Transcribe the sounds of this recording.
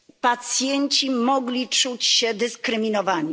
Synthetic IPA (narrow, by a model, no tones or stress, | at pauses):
pat̪sʲjɛɲt͡ɕimɔɡlʲit͡ʂut͡ɕɕɛd̪ɘskɾɘmʲinɔvaɲi